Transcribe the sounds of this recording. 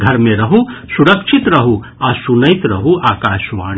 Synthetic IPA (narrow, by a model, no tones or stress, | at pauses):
ɡʱɐɾmẽɾɐɦusuɾəkʃʰit̪ɾɐɦu | aːsunəit̪ɾɐɦuʔaːkaːʃʋaːɽ